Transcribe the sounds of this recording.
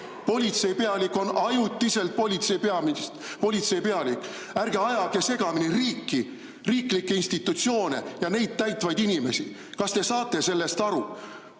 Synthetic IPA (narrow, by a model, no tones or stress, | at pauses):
po̞lʲit̪se̞jpe̞ɑlikːˑo̞nɑjut̪ːˑise̞lt̪̚polʲit̪seipeɑmis | po̞lʲit̪se̞jpe̞ɑlikːˑ | ærɡ̥e̞ɑjɑɡ̥ese̞ɡ̥ɑminiriːkːi | riːklikːeinst̪it̪ːˑut̪sio̞ːnejɑne̞jd̪̥̚t̪æjt̪vɑjd̪̥inʲime̞̰si | kɑst̪e̞sɑːt̪ːˑe̞se̞lːe̞st̪ɑɾu